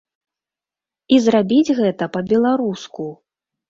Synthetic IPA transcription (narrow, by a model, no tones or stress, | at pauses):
izrabʲid͡zʲɣɛt̪ɐpɐbʲɛlˠaɾusku